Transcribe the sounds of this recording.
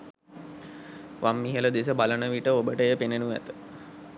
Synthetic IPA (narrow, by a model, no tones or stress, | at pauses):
ʋʔamːiɦələd̪es̬əbalənəʋiʈəobəʈəjəpenenuʋæ̰t̪ə̥